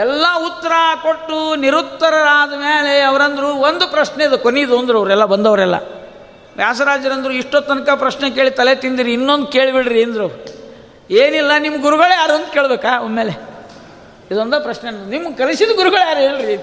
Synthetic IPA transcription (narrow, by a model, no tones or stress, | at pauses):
ɛlːɐut̪ːɐɾɐko̞ʈːuniɾut̪ːɐɾɐɾaːd̪umeːleɐʋɐɾɐnd̪ɐɾuond̪upɾɐʃneid̪ukoneid̪ond̪ɾuɐʋɐɾɛlːɐbɐnd̪ɐʋɐɾɛlːɐ̰ | ʋjaːs̬ɐɾaːd͡ʒɐɾɐnd̪ɐɾuiʂʈot̪ːɐnɐkɐpɾɐʃnek̬e̞ːɭit̪ɐlet̪ind̪iɾiːnːond̪uke̞ːɭbiɽɾiɐnd̪ɾɐɾ | eːnilːɐnimːɐɡuɾuɡɐɭjaːɾuɐnd̪uke̞ːɭbeːkaːommːeːle | id̪ond̪ɐpɾɐʃnennimːɐɡkɐlisid̪ɡuɾuɡɐɭjaːɾeːɭiɾi